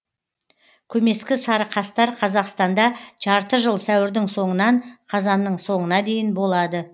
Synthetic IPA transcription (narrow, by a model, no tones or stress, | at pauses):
kʲʰɵme̞skʲɪsɑɾəqʰɑst̪ɑɾqʰɑzɑqst̪ɑnd̪ɑʒ̥ɑɾt̪əʒəlˠsæwɪɾd̪ɪŋso̞ɴənɑɴqʰɑzɑnːəɴso̞ɴənɑd̪e̞jɪnbo̞lˠɑd̪ə